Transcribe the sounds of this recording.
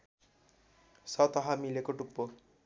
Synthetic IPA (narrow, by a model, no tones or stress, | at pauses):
sʌt̪ʌɦamilekoʈupːo